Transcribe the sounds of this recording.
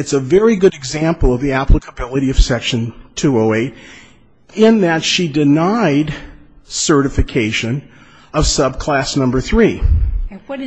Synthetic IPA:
ɨtsəvɛɹiɡʊɾɨɡzæ̃mpl̩ˠʌvðiæpʰləkʰəbɪlˠəɾiʌv̥sɛkʃɨ̃ntʰʉoʊeɪɾ | ɪ̃nðɨtʃidɨnaɪdsɜ˞ɾɨfɨkʰeɪʃɨ̃n | ʌv̥sʌb̚kʰl̥æsnʌ̃mbə˞θɹi

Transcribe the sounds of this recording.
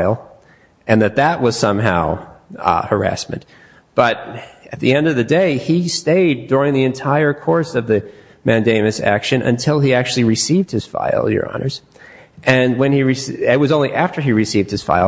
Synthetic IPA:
ɪlˠ | ʔɨ̃nðɨt̪̚ðəʔ̚wʌz̥sʌ̃mɦa̰ʊ | hə˞æ̰smɨ̰̃nt | b̥ʌɾɨt̪̚ðiɛ̃ndʌvðɨdeɪisteɪdʊɹɪ̃ŋðiɨ̃ntʰaɪə˞kʰɔɹsʌvðɨ | mæ̃ndẽɪ̃mɨsæ̰kʃɨ̃nʔɨ̰̃ntʰɪlˠiæk̚t͡ʃʉl̩ˠiɹɨsivd̚hɨz̥fa̰ɪl̩ˠjə̰˞ɑ̰nə̰˞z̥ | ʔɨ̃nwɨ̃niɹɨsɪt̚wʌzõʊ̃nliʔæftə˞iɹɨsivd̚ɨz̥fa̰ɪ

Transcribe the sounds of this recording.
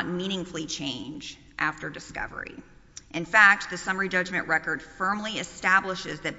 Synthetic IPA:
t̚mĩñɪ̃ŋfl̩ˠit͡ʃʰẽɪ̃nd͡ʒ | ʔæftə˞dɨskʌ̰və̰˞ḭ | ʔɨ̃nfæk̚t̪̚ðɨsʌmə˞id͡ʒʌd͡ʒmɨ̃nʔɹɛkə˞d̥fɜ̃˞mliɨstæbləʃɪzðɨt̚

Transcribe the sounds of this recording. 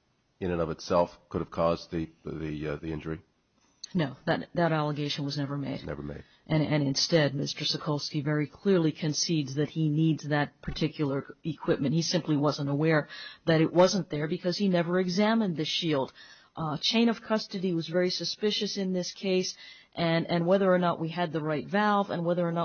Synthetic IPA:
ɨ̃ñɨ̃nʌvɨtsɛlˠfkʰʊɾɨv̥kʰɔzðiðiðiɪ̃nd͡ʒə˞i | noʊðɨtðɨɾælˠəɡeɪʃn̩wʌznɛvə˞meɪdnɛ̰və̰˞mḛɪd̥̚ʔɨ̃ɨ̃nɨ̃nstɛd̚mɪstə˞sɨkʰolˠskivɛɹikʰl̥ɪɹlikʰɨ̃nsidzðɨt̚hinidzðɨt̚pʰə˞tʰɪkʰjl̩ˠə˞ikʰw̥ɪp̚mɨ̃nt̚hisɪ̃mpliwʌzə̃ntəwɛɹðɨɾɨʔwʌzə̃nðə˞bɨkʰʌz̥inɛvə˞ɨɡzæ̃mɨ̃nðɨʃilˠd̥ | t͡ʃʰẽɪ̃ɾ̃ʌv̥kʰʌstɨɾiwʌzvɛɹisɨspɪʃɨsɨ̃nðɪskʰeɪs | ʔɨ̃nɨ̃nwɛðə˞ːnəʔwʔiɨd̪̚ðɨɹaɪtvælˠvə̰̃nwɛðə˞ːnə

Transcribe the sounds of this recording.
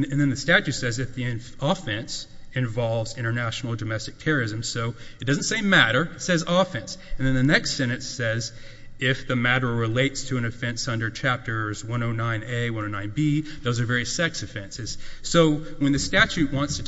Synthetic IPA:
ɨ̃nðɨ̃nðɨstæt͡ʃʉtsɛzɨfðiɨ̃ | ɔfɛ̃ns | ɨ̃ɱvɑlˠvzɪ̃ɾ̃ə˞næʃn̩l̩ˠdɨmɛstɨk̚tʰɛɹə˞ɨzɨ̃msoʊɨt̚d̥ʌzn̩tseɪmæɾə˞sɛzɔfɛ̃nsɨ̃n̩ðɨ̃nðɨnɛkstsɛñɨtsɛz | ɪfðɨmæɾə˞ɹɪleɪtstʰɨɨ̃nɨfɛ̃nsʌ̃ndə˞t͡ʃʰæp̚tʰə˞zwʌ̃noʊnãɪ̃neɪwʌ̃ñoʊnãɪ̃nbiðoʊzə˞vɛɹiɨsɛksɨfɛ̃nsɨz̥soʊwɨ̃nðɨstæt͡ʃʉʔ̚wɑ̃ntstʰɨ

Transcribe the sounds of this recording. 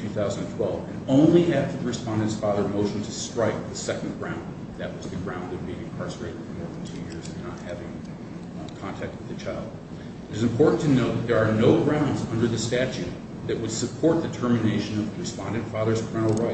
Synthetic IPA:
tʰʉθaʊzn̩d̃n̩tʰw̥ɛlˠvɨ̃nõʊ̃nliæftʰɨðəɹɨspɑ̃ndɨ̃ntsfɑðə˞moʊʃn̩tʰɨstɹ̥aɪk̚ðɨsɛkn̩ɡɹãʊ̃n | ðɨt̚wʌzðɨɡɹãʊ̃ndʌvbiɪ̃ŋkʰɑɹsə˞eɪɾɨd̥fə˞mɔɹðn̩tʰʉjɪɹzɨ̃nːət̚hævɪ̃ŋ | kʰɑ̃ntʰæk̚t̚wɨðɨt͡ʃʰaɪlˠd̚ | ɨɾɨzɨ̃mpʰɔɹʔn̩tʰɨnoʊt̪̚ðɨt̪̚ðə˞ːnoʊɡɹãʊ̃ndzʌ̃ndə˞ðɨstæt͡ʃʉt̪̚ | ðɨʔ̚wəd̥sɨpʰɔɹt̪̚ðɨtʰɜ˞mɨneɪʃɨ̃nʌvðəɹɨspɑ̃ndɨ̃nfɑðə˞z̥kʰɜ̃˞nl̩ˠɹaɪ

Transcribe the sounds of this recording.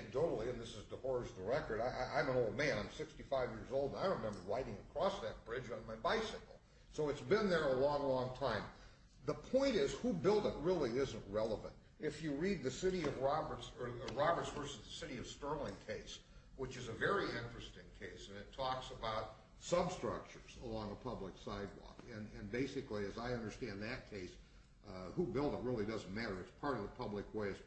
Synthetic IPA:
dʰoʊɾl̩ˠiɨ̃nðɪsɨzdəhɔɹzðəɹɛkə˞ɾaɪʔaɪʔã̰ɪ̃mə̃noʊlˠd̚mæ̃nãɪ̃msɪkstifaɪvjɪɹzoʊlˠdə̃naɪ̃ɹɨmɛ̃mbə˞ɹaɪɾɪ̃ŋɨkʰɹ̥ɔsðɨt̚b̥ɹɪd͡ʒn̩maɪbaɪsɨkl̩ˠ | soʊɨtsb̥ɨ̃nðə˞əlɔ̃ŋlɔ̃ŋtʰãɪ̃m | ðəpʰɔ̃ɪ̃ñɪz̥hubɪlˠdət̚ɹɪlˠiɪzɨ̃nʔɹɛlˠəvə̰̃nt | ɨfjɨɹid̪̚ðɨsɪɾiʌvɹɑbə˞tsɹɑbə˞tsvɜ˞sɨzðɨsɪɾiʌv̥stɜ˞lˠɪ̃ŋkʰeɪs | wɨt͡ʃɨzɨvɛɹiɪ̃nt͡ʃɹ̥ɨstɪ̃ŋkʰeɪsɨ̃nɨtʰɔksəbaʊt̚ | sʌbstɹ̥ʌ̰k̚t͡ʃə˞z̥əlɔ̃ŋəpʰʌblɨksaɪd̚wɔ̰kɨ̃nɨ̃nbeɪsɨkliɨzaɪʌ̃ndə˞stæ̃nðɨt̚kʰeɪs | hubɪlˠdət̚ɹɪlˠidʌzn̩mæɾə˞ɨtspʰɑɹɾʌvðəpʰʌblɨkweɪɨz̥

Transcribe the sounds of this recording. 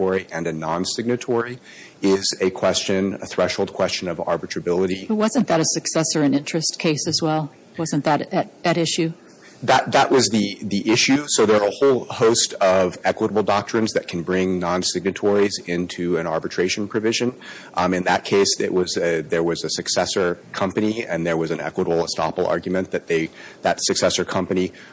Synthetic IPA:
tɔɹiʔɨ̃nɨnɑ̃nsɪɡ̚nɨtʰɔɹi | ɪzɨkʰw̥ɛst͡ʃɨ̃nɨ̰θɹɛʃhoʊlˠd̚kʰw̥ɛst͡ʃɨ̃nʌvɑ̰ɹbɨtʰɹ̥ɨbɪlˠəɾibʌt̚wʌzɨ̃nðɨɾɨsɨksɛsə˞ɨ̃nɪ̃nt͡ʃɹ̥ɨskʰeɪsɨzwɛlˠ | wʌzɨ̃nðɨɾɨɾɨɾɪʃʉ | ðət̪̚ðəʔwʔʌzðiðiʔɪʃʉsoʊðə˞əhoʊlˠhoʊstʰʌvɛkwəɾəbl̩ˠdɑk̚tʰɹ̥ɨ̃nzðɨt̚kʰn̩bɹɪ̃ŋnɑ̃nsɪɡ̚nɨtʰɔɹizɪ̃ntʰʉɨ̃nɑ̰ɹbɨtʰɹ̥eɪʃn̩pʰɹ̥ɨvɪʒɨ̃n | ɨ̃nðət̚kʰeɪsɪ̰ʔwʌzðə˞wʌzɨsɨksɛsə˞kʰʌ̃mpɨniɨ̃nðə˞wʌzɨ̃nɛ̰kwəɾəbl̩ˠəstɑ̰pl̩ˠɑ̰ɹɡjmɨ̃nðɨt̪̚ðeɪðɨtsɨksɛsə˞kʰʌ̃mpɨni

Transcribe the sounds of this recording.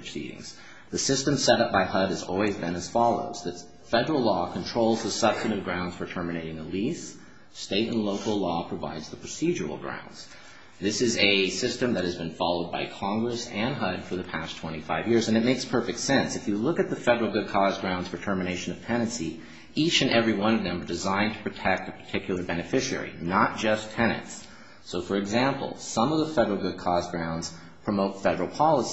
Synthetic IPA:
sḭɾɪ̰̃ŋz̥ | ðɨsɪstɨ̃msɛɾʌp̚b̥aɪhʌɾɨzɔ̰lˠwizbɨ̃nɨz̥fɑlˠo̰ʊz̥ðɨt | fɛɾə˞l̩ˠlɔkʰn̩tʰɹ̥oʊlˠzðəsʌb̥stɨɾɨ̃vɡ̥ɹãʊ̃ndz̥fə˞tʰɜ˞mɨneɪɾɪ̃ŋəlis | steɪɾɨ̰̃nloʊkl̩ˠlɔpʰɹ̥ɨva̰ɪdzðəpʰɹ̥ɨsid͡ʒə˞l̩ˠɡɹã̰ʊ̃ndz̥ | ðɪsɨzɨsɪstɨ̃mðɨt̚hɨzbɨ̃nfɑlˠoʊd̚baɪkʰɑ̃ŋɡɹɨsɨ̃nɦʌd̥fə˞ðɨpʰæstʰw̥ɛ̃ɾ̃ifaɪvjɪɹzɨ̃nɨt̚meɪkspʰɜ˞fɨk̚tsɛ̃nsɨfjɨlʊkɨt̪̚ðɨfɛɾə˞l̩ˠɡʊd̚kʰɔzɡɹãʊ̃ndz̥fə˞tʰɜ˞mɨñeɪʃɨ̃nʌv̥tʰɛ̃ñɨ̃nsi | it͡ʃɨ̃nʔɛvɹiwʌ̃ñʌvðɨ̃mə˞dɨzãɪ̃ntʰə̥pʰɹ̥ɨtʰɛk̚tɨpʰə̥˞tʰɪkʰjl̩ˠə˞bɛnɨfɪʃɛ̰ɹḭnət̚d̥ʒ̥ʌstʰɛñɨ̰̃nts | soʊfə˞ɨɡzæ̃mpl̩ˠsʌ̃mʌvðəfɛɾə˞l̩ˠɡʊd̚kʰɔzɡɹãʊ̃ndz̥ | pʰɹ̥ɨmoʊtfɛɾə˞l̩ˠpʰɑlˠəs

